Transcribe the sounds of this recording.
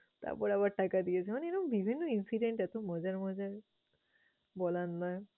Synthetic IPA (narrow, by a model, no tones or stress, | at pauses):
t̪a̰ɹpɔɾaβaʈakad̪ijet͡ɕʰɛmaneɛɾɔmbibʱinːoinsiɖeɳʈat̪omɔd͡ʑaɹmɔd͡ʑaɹ | bɔlanːaj